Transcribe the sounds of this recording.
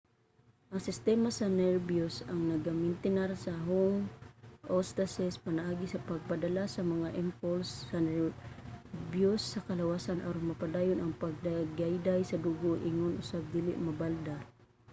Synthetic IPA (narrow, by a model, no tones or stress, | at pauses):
ʔɐŋsɪst̪ɛːmasɐnɛɹbjosɐŋnɐɡamɪnt̪ɪnaɾsɐɦoŋʔost̪asɛspɐnɐʔaːɡɪsɐpɐɡ̚pad̪ɐlasɐmɐŋaʔɛmpolsːɐnɛ | bjosːɐkɐlɐwaːsanʔaɾoŋmɐpad̪aːjonʔɐŋpɐɡ̚d̪aɡajd̪ajsɐd̪uːɡoʔɪŋonʔʊsab̚d̪iːlɪ̰ʔmɐbald̪a